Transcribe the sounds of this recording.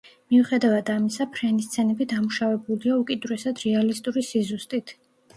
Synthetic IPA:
miuχɛd̪avad̪amisapʰɾɛnist̪sʰɛnɛbid̪amuʃavɛbuliaukʼid̪uɾɛsad̪ɾɛalist̪ʼuɾisizust̪ʼit̪ʰ

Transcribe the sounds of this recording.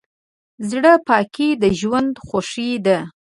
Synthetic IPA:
zɽəpɑkʰid̪əʒwand̪xoʂid̪a

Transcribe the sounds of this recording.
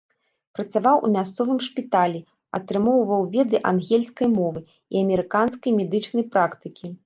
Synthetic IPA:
pɾɐt̪savawʔṵmʲast̪sɔvɨmʂpʲit̪alʲi | ɐt̪ɾɨmɔwvɐwvʲɛd̪ɨʔanɣʲɛlʲskɐjmɔvɨ | iɐmʲɛɾɨkanskɐjmʲɛd̪ɨt͡ʂnɐjpɾakt̪ɨkʲi

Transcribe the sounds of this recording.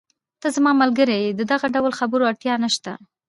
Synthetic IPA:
t̪azamɑmalɡəɾejed̪əd̪aɣaɖawlxabəɾoaɽt̪jɑnaʃt̪a̰

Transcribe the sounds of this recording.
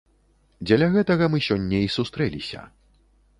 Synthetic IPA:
d͡zʲɐlʲɐɣɛt̪ɐɣɐmɨsʲɔnʲːɐisust̪ɾɛlʲisʲɐ̰

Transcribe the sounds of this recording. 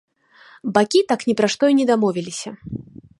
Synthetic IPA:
bakʲit̪aknʲɛpɾaʂt̪ɔinʲɛd̪amɔvʲilʲisʲɐ

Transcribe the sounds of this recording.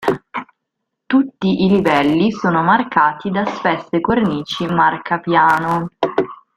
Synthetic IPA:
t̪ut̪ːiʔilivɛlːisoːnomarkaːt̪id̪aspɛsːekorniːt͡ʃimarkʰapjaːno

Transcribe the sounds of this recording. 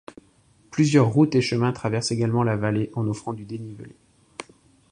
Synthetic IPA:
plyzjœʁːut̪eʃəmɛ̃t̪χavɛʁseɡalmɑ̃lavaleʔɑ̃nɔfχɑ̃d̪yd̪enivəle

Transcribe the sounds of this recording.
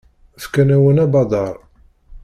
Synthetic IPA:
fkænæwənæbɑd̪ˤɑɾˤ

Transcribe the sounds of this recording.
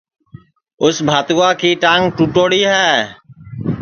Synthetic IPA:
ʊsbʱaːt̪uːaːkiːʈãːŋɡ̚ʈuːʈoːɽiːɦɛː

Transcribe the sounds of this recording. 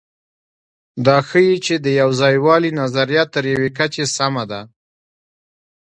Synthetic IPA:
d̪ɑxəjit͡ʃed̪əjawzɑjwɑlinazaɾijɑt̪ːəɾjawekat͡ʃesamad̪a

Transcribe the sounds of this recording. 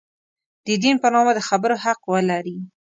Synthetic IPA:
d̪̥əd̪inpənɑmad̪əxabəɾohaqwəlaɾi

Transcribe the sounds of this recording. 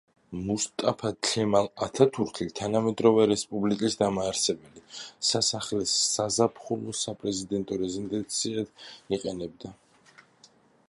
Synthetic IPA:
must̪ʼapʰaɬʰɛmalat̪ʰat̪ʰuɾt̪ʰlit̪ʰanamɛd̪ɾɔvɛɾɛspʼublikʼisd̪amaːɾsɛbɛlisasaχlɛsːazapʰχɔlɔsapʼɾɛzid̪ɛnt̪ʼɔɾɛzind̪ʼɛnt̪sʰiat̪iqʼɛnɛb̚d̪a

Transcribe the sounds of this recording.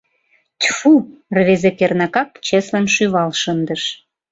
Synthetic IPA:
t̪ʲfurβezekernɑkɑkt͡ɕeslɑnʃyβɑlʃənd̪ə̆ʃ

